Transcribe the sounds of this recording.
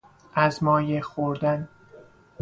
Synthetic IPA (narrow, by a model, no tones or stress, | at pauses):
ʔæzmɒːjexoɾd̪æn